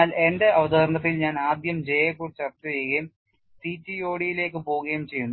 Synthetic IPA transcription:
aːle̞nde̞ʔɐʋɐd̪ɐːrnɐt̪̬ːilɲaːnaːd̪jɐmd͡ʑe̞jːekːurɨt͡ɕːɐrt̪ːɨt͡ɕejuɣɐjum | siːt͡ɕːio̞ːɽijile̞ːk̬ːɨpo̞ːuɣɐjumt͡ɕe̞jːunːu

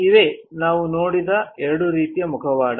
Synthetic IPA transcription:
iʋe̞naːʋunoːɽid̪ɐɛɾɐɽuɾiːt̪ijɐmukʰɐʋaːɽɐ

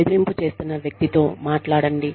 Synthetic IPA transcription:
d̪uɾimput͡ʃe̞ːst̪unːɐʋjɐk̚t̪it̪o̞ːmaːʈlaːɽɐɳɖi

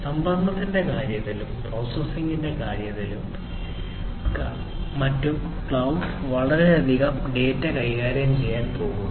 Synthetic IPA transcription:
sɐmbɐnd̪ʱɐt̪ːinde̞kaːɾjɐtːilumproːsesiŋɡinde̞kaːɾjɐtːilum | kː | ɐtːum | kɭɐwʋɐɭɐɾeɐd̪ʱiɣɐmɖe̞ːtːɐkɐjiɣaːɾjɐmt͡ɕe̞jːaːnpo̞ːɣu

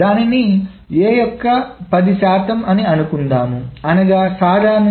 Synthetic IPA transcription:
aːnini | eːjɔkːɐpɐd̪iʃaːt̪ʰɐmɐniɐnukund̪aːmuɐnɐɡaːsaːd̪ʱaːnɐ

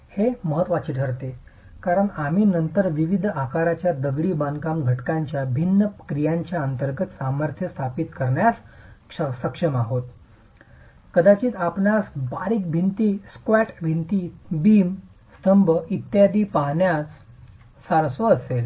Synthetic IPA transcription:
heməɦət̪ʋat͡ɕiːʈʰəɾt̪e | kaɾəɳam̤iːnənt̪əɾʋiʋid̪ʱakaɾat͡ɕjad̪əɡɽiːbankamɡʱəʈkaɲt͡ɕjabʱinːəkɾijaɲt͡ɕjaənt̪əɾɡət̪saməɾt̪ʰjəst̪ʰapit̪kəɾɳjasʂəsəkʂəmaɦot̪ | kəd̪at͡ɕiːt̪apnasbaɾiːk̚bʱint̪iːskʋæʈbʱint̪iːbiːm | st̪ʰəmbʱəit̪jad̪ʱiːpaɦɳjasː | aɾsoəsel

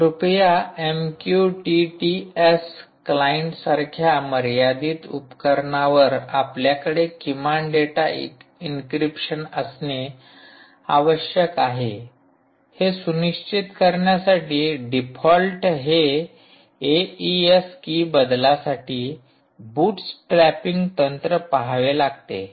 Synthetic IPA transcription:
ɾupjaemkjuʈiʈies | klajiɳʈsaɾkʰjaməɾjad̪iːt̪upkəɾɳaʋəɾapljakəɽekimaɳɖeʈaḭkinkɾipɕənəsne | aʋəɕjəkaɦe | hesuniʂt͡ɕit̪kəɾɳjasaʈiːɖipʰɔlʈɦe | eieskiːbəd̪lasaʈiː | buːʈsʈɾæpiŋɡt̪ənt̪ɾəpaɦaʋelaɡt̪ḛ

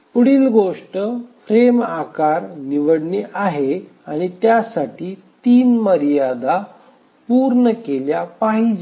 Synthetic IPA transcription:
puɽiːlɡoʂʈəfʰɾemakaɾniʋəɽɳeʔaɦe | aɽ̃it̪jasaʈiːt̪iːnməɾjad̪a | puɾɳəkeljapaɦid͡ʑe

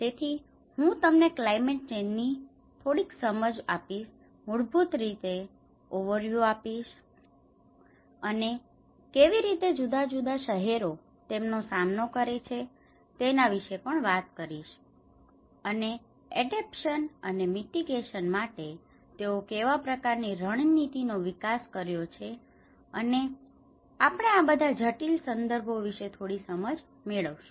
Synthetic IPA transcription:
t̪et̪ʰi | ɦũt̪əmneklaimeʈ̚t͡ʃenːi | t̪ʰoɽiksəməd͡ʒapiʃ | muɽbʱut̪ɾit̪e | oʋəɾʋjuapiʃ | əne | keʋiɾit̪ed͡ʒud̪ad͡ʒud̪aʃəɦeɾo | t̪emnosamnokəɾet͡ʃʰe | t̪enaʋiʃepəɳʋat̪̚kəɾiʃ | əne | ɛɖepʃənənemiʈiɡeʃənmaʈe | t̪eokeʋapɾəkaɾniɾəɽ̃nit̪inoʋikaskəɾjot͡ʃʰe | əne | apɳ̃eabəd̪ʱad͡ʒʱəʈilsənd̪əɾbʱoʋiʃet̪ʰoɽisəməd͡ʒ | meɭəʋʃũ

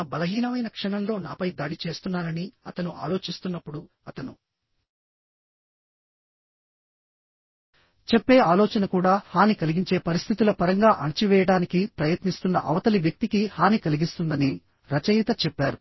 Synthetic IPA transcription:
bɐlɐɦiːnɐʋɐjnɐkʂɐɳɐmlo̞ːnaːpɐjd̪aːɽit͡ʃe̞ːst̪unːaːɾɐniɐt̪ɐnuʔa̰ːlo̞ːt͡ʃist̪unːɐpːuɽu | ɐt̪ɐnu | t͡ʃɛpːe̞ːaːloːt͡ʃɐnɐkuːɽaːhaːnikɐliɡiɲt͡ʃe̞ːpɐɾist̪ʰit̪ulɐpɐɾɐŋɡaːʔɐnt͡ʃiʋɛːjɐɽaːnikipɾɐjɐt̪nist̪unːɐ̰ʔɐʋɐt̪ɐliʋjɐk̚t̪ikihaːnikɐliɡist̪und̪ɐni | ɾɐt͡ʃɐjit̪ɐt͡ʃɛpːaːɾu

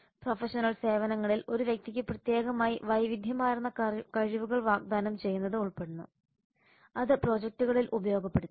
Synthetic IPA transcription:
profɐʂɐnɐɭse̞ːʋɐnɐŋːɐɭilo̞ɾuʋjɐk̚t̪ikʲːɨprɐt̪je̞ːɡɐmaːjiʋɐjʋid̪ʱjɐmaːjɾunːɐkɐɻiʋuɣɐɭʋaːɡ̚d̪aːnɐmt͡ɕe̞jːunːɐðɨuɭpe̞ɽunːṵ | ɐðɨpro̞ːd͡ʑek̚tuɣɐɭilʔubɐjoːɡɐpːe̞ɽu

